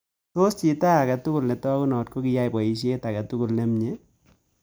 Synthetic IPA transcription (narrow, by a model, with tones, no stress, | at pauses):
to˦st͡ʃi˨ta˦a˨ka˨tʊ˦kʊ˨lnɛ˨tɔ˦kʊ˦nɔ˨t̚ko˦kɪ˦ja˦jbɔ˨i˨ʃ̬e˦ta˨ka˨tu˦ku˨lnɛ˦mɲe˦